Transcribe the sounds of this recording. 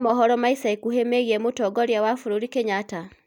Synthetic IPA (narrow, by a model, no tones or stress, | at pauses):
mɔɦɔɾɔmaisaikuhemeɣiɛmotɔɡɔɾjawafoɾoɾikeɲata